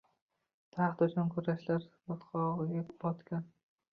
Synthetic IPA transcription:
t̪ʰaχt̪ʊt͡ʃʰʊnkʰʊɾaʃlaɾbɒt̪qʰɒʁɡʲebɒt̪kʲan

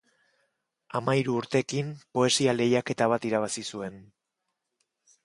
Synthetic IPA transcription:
amaiɾuːɾt̪e̞kimpo̞e̞siale̞jake̞t̪aβ̞at̪iɾaβ̞asisue̞n

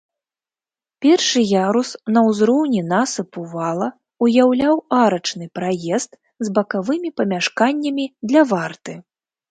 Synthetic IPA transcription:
pʲɛrʂɨjaɾusnɐwzɾɔwnʲinasɐpuvalˠɐ | ujawlʲawaɾɐt͡ʂnɨpɾajɛst̪ | zbɐkavɨmʲipɐmʲaʂkanʲːɐmʲid̪lʲɐvart̪ɨ

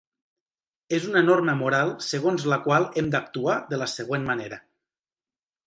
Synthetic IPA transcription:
ezunənorməmuɾalˠsəɣ̞onzləkwalˠemd̪ək̚t̪uaðələsəɣ̞wenməneɾə

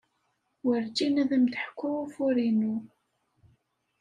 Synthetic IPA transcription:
wəɾd͡ʒinæðæmd̪əħkʷːʊwufʊɾinu

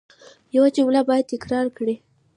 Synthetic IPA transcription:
jawat͡ʃewlabɑjad̪̚t̪ɪkɾɑɾkɽi

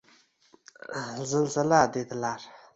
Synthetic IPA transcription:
zənzəlaɦd̪et̪əlar

